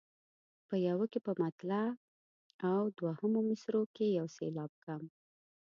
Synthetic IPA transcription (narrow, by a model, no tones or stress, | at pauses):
pəjawəkepəmat̪la | awd̪wahəmomɪsɾokejawselɑb̚kam